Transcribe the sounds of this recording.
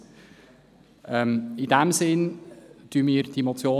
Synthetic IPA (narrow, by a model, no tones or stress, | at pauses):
əmɪndɛmzɪnd̥ymɪːrdemotsjoː